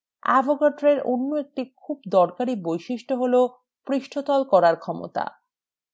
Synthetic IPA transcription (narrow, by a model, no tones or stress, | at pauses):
a̰bʱoɡaʈɾeɾo̰nːoek̚ʈikʰubd̪ɔɾkaɾibojʃiʃʈoɦolo | pɾiʃʈʰot̪ɔlkɔɾaɾkʰɔmo̰t̪a̰